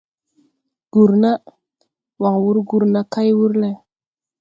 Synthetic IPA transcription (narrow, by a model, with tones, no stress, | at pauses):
ɡ̥u˨ɾna˦ | wa˨ŋwu˦ɾɡu˨ɾna˦ka˦jwu˦ɾle˦